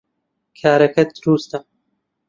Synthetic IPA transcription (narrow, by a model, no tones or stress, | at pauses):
kʰaːɾɐkʰɐt̪̚d̪ɾuːst̪ɐ